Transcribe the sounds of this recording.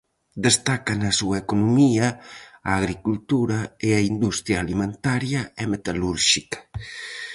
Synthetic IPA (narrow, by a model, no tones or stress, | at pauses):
d̪est̪akanasuaekonumiaaːɣɾikult̪uɾaeaind̪ust̪ɾjaːlimẽnt̪aɾjaemet̪aluɾʃikḁ